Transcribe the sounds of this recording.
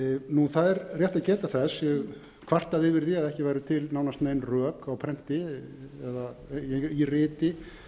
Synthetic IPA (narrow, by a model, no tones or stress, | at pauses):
nuθaðɛɾr̥jɛht̪aðcɛːt̪aθɛsjɛɣ | kʰv̥ar̥t̪aðɪvɪɾðiaðɛhcɪvajɾʏt̪ʰɪlnaːwnast̪neːjnrœːkawpʰɾɛn̥t̪ɪɛðajɛirɪːt̪ɪ